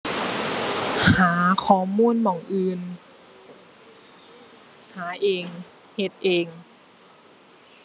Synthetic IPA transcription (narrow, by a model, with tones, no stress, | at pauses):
haː˩˦kʰɔː˨˩˦muː˧˥˨nmɔː˨˩˦ŋʔɯː˧n | haː˨˦ʔeː˧ŋ | he˧t̪̚ʔeː˧ŋ